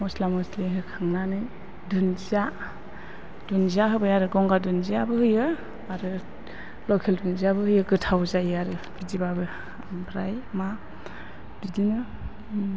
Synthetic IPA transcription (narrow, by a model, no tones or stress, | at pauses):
mɔslamɔsliɦɯkʰaŋnanɯj | dunzia | d̥unziaɦɯbajaɾɯɡɔŋɡadunziabɯhɯjɯ | aɾɯ | lɔkʰeldunziabɯhɯjɯɡɯtʰawzajaɾɯb̥idibabɯ | bʰɾajma | didinɯ